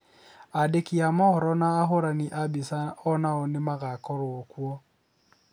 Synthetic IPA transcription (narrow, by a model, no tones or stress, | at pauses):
adekiamɔɔɾɔnaːɦoɾaniʔabisaɔnaɔnɪmaɣakɔɾʊokwɔ